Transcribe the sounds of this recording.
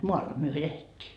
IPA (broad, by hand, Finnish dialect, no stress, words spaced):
moɑlːɑ myø eletʲːiː